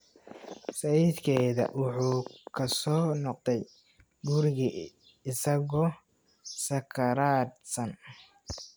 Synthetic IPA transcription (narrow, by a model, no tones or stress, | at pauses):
sɐiːd̪kʰɛðɐ̰wʊħuːkʰɐsɔːnɔqd̪ɛj | ɡʊɾɪɣi | ɪsɐɣɔ | sɐkʰɐɾaːd̪sɐn